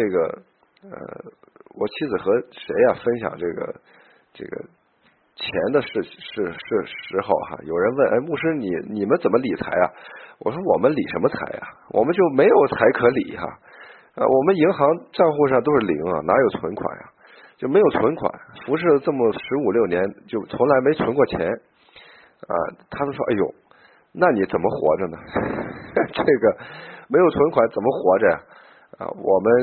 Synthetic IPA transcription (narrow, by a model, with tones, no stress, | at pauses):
ʈ͡ʂɤ˥˩ɡə˩ | ə̰˧˩ | wɔ˨˩t͡ɕʰi˥d͡zɹ̩˨˩xɤ˧˥ʂe˧˥ɪɐ˧fə˥nɕjɑ̰˨˩ŋʈ͡ʂɤ˥˩ɡə̰˩ | ʈ͡ʂɤ̰˥˩ɡə̰˩ | t͡ɕʰjɛ˧˥nd̪ə˧ʂɻ̩˥˩ʂɻ̩˥˩˧ʂɻ̩˥˩ʂɻ̩˧˥xɑ˥˩ʊxa̰˦jo˨˩ʊɻə˧˥nwə˥˩nʔe˥˧ɪmu˥˩ʂɻ̩˥nḭ˨˩˦ni˨˩mə˦nt͡sə˨˩nmə˦li˨˩t͡sʰa˧˥ɪɐ̰˧wɔ̰˨˩ʂwɔ˥wɔ˨˩mə˦nli˨˩ʂə˧˥nmə˧t͡sʰa̰˧˥ɪɐ̰˨˧wɔ̰˨˩mə˧˦nt͡ɕjo˥˩ʊme˧˥ɪjo˨˩ʊt͡sʰa˧˥ɪkʰɤ˧˥li˨˩˦xɐ̰˧ | wɔ˨˩mə˦ni˧˥ŋxɑ˧˥ŋʈ͡ʂɑ˥˧ŋxu˥˧ʂɑ˥˧ŋt̪o˥ʊʂɻ̩˥˩lḭ˧˥ŋɐ̰˧˩na˧˥jo˨˩ʊt͡sʰwə˧˥nkʰwa̰˨˩nɐ̰˦ | t͡ɕjo˥˩ʊme˧˥ɪjo˨˩ʊt͡sʰwə˧˥nkʰwa̰˨˩˦nfu˧˥ʂ̬ɻ̩˥˩ʈ͡ʂɤ˥˩mə˩ʂɻ̩˧˥u˨˩ljo˥˩ʊnjɛ˧˥nt͡ɕjo˥˩ʊt͡sʰʊ˧˥ŋla˧˥ɪme˧˥ɪt͡sʰwə˧˥nkwɔ˥˩t͡ɕʰjɛ̰˧˥n | ɐ̰˧t̪ʰa˥t͡ɕ̪o˥ʊʂwɔ˥ʔa˥˩jo̰˨˩˦ | na˥˩ni˧˥t͡sə˨˩nmə˦xwɔ̰˧˥ʈ͡ʂə˥˧nə˨˩ | ʈ͡ʂɤ˥˩ɡə˩me˧˥ɪjʊt͡sʰwə˧˥nkʰwa˨˧˦nt͡sə˨˩nmə˦xwɔ˧˥ʈ͡ʂə˥˧ja̰˨ | ɐ̰˧wɔ˨˩mə˦n